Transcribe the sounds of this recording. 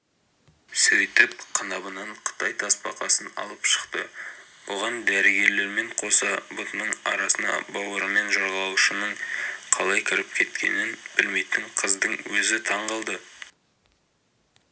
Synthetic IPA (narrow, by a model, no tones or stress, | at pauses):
sɵjt̪ɪp̚qʰənɑbənɑɴqʰə̥t̪ɑjt̪ʰɑspɑ̰qɑsənɑ̰lˠəpʃə̥qt̪ə | woʁɑnd̪æɾɪɡʲe̞ɾle̞ɾme̞ɴqʰo̞sɑbʊt̪nəɴɑ̰ɾɑsənɑ̰bɑwəɾəme̞nʒɑɾʁɑlˠuʃənəɴqʰɑlˠɑjkʲʰɪɾɪp̚kʲʰe̞t̪kʲe̞̰nɪnbɪlme̞jt̪ɪɴqʰəzd̪əɴwɵzɪt̪ʰɑɴʁɑlˠd̪ə